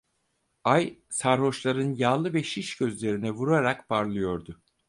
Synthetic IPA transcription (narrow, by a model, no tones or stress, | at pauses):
ajsaɾɦo̞ʃlˠaɾɯnjaːlˠɯvɛʃiʃɟø̞zlʲe̞ɾinɛvuɾaɾakbaɾlˠɯjo̞ɾd̪ʊ